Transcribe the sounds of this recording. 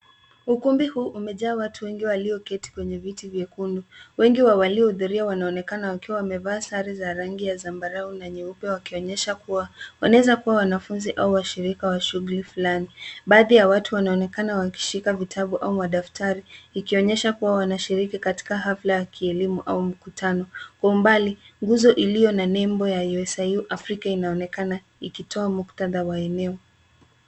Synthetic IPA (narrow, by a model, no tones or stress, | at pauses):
ukumbihuːʔumɛʄaːwatʰuwɛŋɡiwaliɔkɛti̥kwɛɲɛvitivjɛkunduwɛŋɡiwawaliɔhuðuɾiawanaɔnɛkanawakiwawamɛvaːsaɾizaɾaŋɡijazambaɾaunaɲɛupɛwakiɔɲɛʃakuwawanaɛzakuwawanafunziʔauwaʃiɾikawaʃuɣulifulaniɓaːðijawatuwanaɔnɛkanawaki̥ʃikavitʰaɓuʔaumaɗaftʰaɾiːkiɔɲɛʃakuwawanaʃiɾikikati̥kaɦaflajakʰiɛlimuʔa̰um̩kutʰanɔkɔumbaliŋɡuzɔʔilijɔnanɛmbɔjajuɛsajuʔafɾikainaɔnɛkana | ikitʰɔamuktaðawaɛnɛɔ